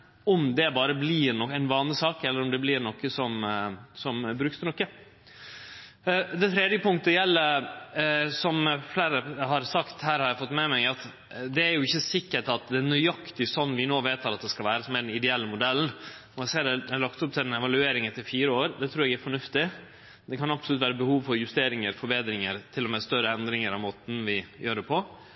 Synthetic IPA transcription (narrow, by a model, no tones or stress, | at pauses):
ɔmd̪ɛbɑːɾəblɪnɔæɪnʋɑːnlɪsɑːkɛlːəɾɔmd̪ɛblɪɾnɔkːəsɔmsɔmbɾʉksnɔkːə | d̪ɛt̪ʰɾɛd̪jəpʊŋt̪əjɛlːəɾ | sɔmfleːɾəɦɑɾsɑkt̪hæːɾhɑɾjæɪfɔt̪ːmɛmæɪɑt̪ | d̪ɛæɾjʊɪçːəsɪkːəʈɑt̪̚d̪ɛnyɑkt̪ɪsɔnːʋɪnoːʋeːt̪ɑɾɑt̪̚d̪ɛskɑlʋæːɾəsɔmæɖɛnɪd̪ɛɛlːəmʊd̪ɛlːnɔæseːɖɛɛlɑkt̪ʊp̚t̪ʰɪɛnɛʋɑlʉeːɾɪŋɛt̪ʰɪɾfiːɾəoːɾd̪ɛt̪ʰɾʉːɾɛɡæɾfɔɳʉft̪ɪ | d̪ɛkʰɑnɑpsɔlʉt̪ʋæːɾəbəhuːʋfɔɾjʉst̪eːɾɪŋəɾfɔɾbeːd̪ɾɪŋəɾt̪ʰɪlːɔmɛst̪œɾəɛnd̪ɾɪŋəɾɑʋmoːt̪n̩ʋɪjøːɾəpʰɔ